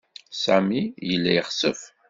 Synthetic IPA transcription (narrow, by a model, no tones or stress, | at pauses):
sæmijəlːæjəχsəf